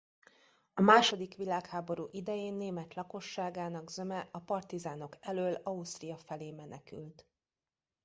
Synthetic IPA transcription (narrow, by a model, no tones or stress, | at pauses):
ɒmaːʃo̞d̪ikʋilaːkhaːbo̞ɾuːʔid̪ɛjeːnːeːmɛt̪lɒko̞ʃːaːɡaːnɒɡzø̞mɛɒpɒrt̪izaːno̞kɛløːlɒust̪rijɒfɛleːmɛnɛky̰lt̪